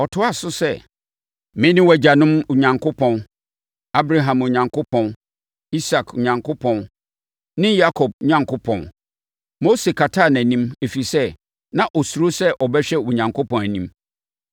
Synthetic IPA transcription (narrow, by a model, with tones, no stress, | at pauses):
ɔ˨tʰʊ˦a˨sʊ˦sɛ˦˨ | mɪ̃˦nɪ̃˦wæ˨d͡ʑa˨nʊ̃˦mʊ˨ɲã˨ŋkʰʊ˦pʰɔ̃˨n | a˦bɾa˨ɦã˨mʊ˨ɲã˨ŋkʰʊ˦pʰɔ̃˨n | i˦sa˨kʰʊ˨ɲã˨ŋkʰʊ˦pʰɔ̃˨n | nɪ̃˦ja˦kʰɔ˨b̚ɲã˦ŋkʊ˦pʰɔ̰̃˨n | mo˦se˨kʰa˨tʰaː˦˨næ̃˨nĩ˦me˨fi˨sɛ˦ | nã˨ʔɔ˨su˨ɾʊ˦sɛ˦ʔɔ˨bɛ˦ɕᶣɛ˦wu˨ɲã˨ŋkʰʊ˦pɔ̃˨næ˨nĩ˦m